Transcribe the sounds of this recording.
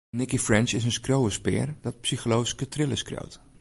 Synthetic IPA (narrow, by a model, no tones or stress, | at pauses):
nɪkifrɛnt͡ʃɪsənskrowəspɪ̰ːrd̥ɔt̚psiχəlowskətrɪləskro̰wt